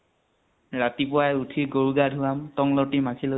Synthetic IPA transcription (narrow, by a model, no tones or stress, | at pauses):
ɹatip̬ʊajutʰiɡoɹuɡadʱuamtɔŋlɔtimakʰilo